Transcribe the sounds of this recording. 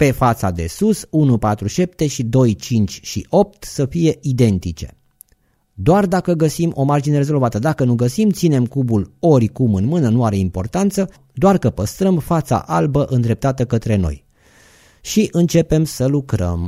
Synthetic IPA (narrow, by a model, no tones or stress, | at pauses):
pe̞fat̪sad̪e̞̰susunupat̪ɾuʃe̞p̚t̪e̞ʃid̪o̞jt͡ʃint͡ʃʲʃḭʔo̞p̚t̪səfije̞ʔid̪e̞nt̪it͡ʃe̞̥̰ | d̪oard̪akəɡəsimʔo̞mard͡ʒineɾe̞zo̞lvat̪əd̪akənuɡəsimt̪sine̞mkubulo̞rʲkumɨnmɨnənuaɾe̞impo̞rt̪ant̪sə | d̪oarkəpəst̪ɾəmfat̪sa̰ʔalbəʔɨnd̪ɾe̞p̚t̪at̪əkət̪ɾe̞no̞̰j | ʃiʔɨnt͡ʃe̞pe̞msəlukɾə̰m